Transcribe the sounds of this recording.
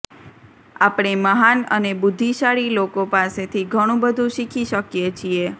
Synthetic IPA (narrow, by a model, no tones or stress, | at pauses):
apɽ̃eməɦanənebʊd̪ʱːiʃaɭilokopaset̪ʰiɡʱəɽ̃ũbəd̪ʱũʃikʰiʃəkjet͡ʃʰie